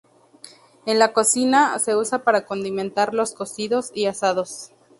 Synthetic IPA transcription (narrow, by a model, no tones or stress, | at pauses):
e̞nlako̞sinase̞usapaɾako̞nd̪imẽ̞nt̪aɾlo̞sko̞siðo̞siasað̞o̞s